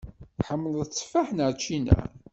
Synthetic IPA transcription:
ħəmːəlðət͡sːfaħnəɾt͡ʃːinæ̰

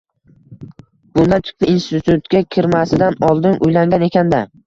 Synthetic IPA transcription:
b̥ʊnd̪ant̪ʰʊ̥p̚ɪinst̪ɪt̪ʰʊt̪kʲakʲʰɪɾmasɪd̪anɒlˠd̪ɪnʔʊjlaŋɡʲane̞kʲʰand̪a

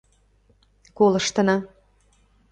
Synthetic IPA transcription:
kolə̆ʃt̪ɤ̆nɑ

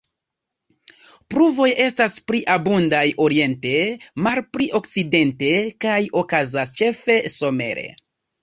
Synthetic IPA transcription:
pɾuvo̞je̞staspɾiʔabundajo̞ɾie̞nte̞malpɾiʔo̞kt͡side̞nte̞kajo̞kazast͡ʃe̞fe̞so̞me̞̰ɾe̞̰

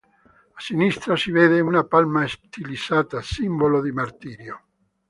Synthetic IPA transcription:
asinist̪ɾasiveːðeunapalmaest̪ʰilisaːt̪asimbolod̪imart̪iːɾjo

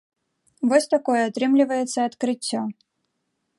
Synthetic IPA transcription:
vɔsʲt̪akɔjɛat̪ɾɨmlʲɪvɐjɛt̪sːɐɐt̪kɾɨt͡sʲːɔ

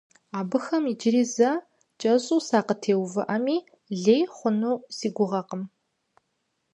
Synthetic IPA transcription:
aːbɨxɐmid͡ʒɪɾiːzɐ | t͡ʃʼɐɕʼuːsaːqətʰeːwvɨ̰ʔɐmiː | ɮeːjχʷʊnuːsiːɡʷʊʁɐqəm

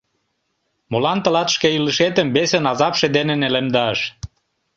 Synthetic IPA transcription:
molɑnt̪ə̆lɑt̪ə̥ʃkeiləʃet̪əmbesenɑzɑpʃed̪enenelemd̪ɑʃ

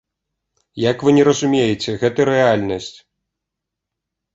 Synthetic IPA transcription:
jɐkvɨnʲɛɾɐzumʲejet͡sʲɛɣɛt̪ɐɾɛalʲnɐsʲt͡sʲ

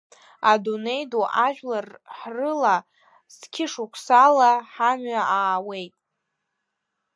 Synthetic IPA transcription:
adune̞jduʔaʒᶣlarħrɨla | z̥kʲʰɪʂukʷʰsalaħamɥaaːwe̞jtʼ

